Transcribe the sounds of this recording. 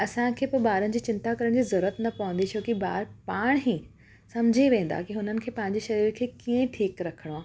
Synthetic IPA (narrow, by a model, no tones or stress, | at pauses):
ɐsãkʰeːpʊɾbaːɾənɪ̆d͡ʑiːt͡ɕɪ̃nt̪akɐɾəɽ̃d͡ʑiːzɐɾːət̪nɐpɐʋə̃nd̪it͡ɕʰoːkibaːɾpaːɽ̃ɦĩ | sɐmd͡ʑʱiʋẽːnd̪a̰kiɦʊn̤ənɪ̆kʰeːpɐ̃ɦɪ̃ɲd͡ʑeʃɐɾiːɾkʰeːkiẽʈʰiːkɾɐkʰəɽ̃oaː